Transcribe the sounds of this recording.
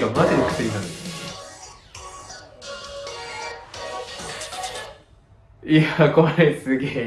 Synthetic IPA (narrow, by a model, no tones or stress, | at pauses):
kamat̪ːeɾɯkɯ̟̥sɨɾʲinãnd̪esɨ | jakoɾesɨɡeː